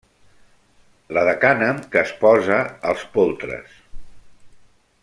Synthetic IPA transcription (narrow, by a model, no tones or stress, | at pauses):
ləðəkanəmkəːspɔzəːlˠspolˠt̪ɾə̰s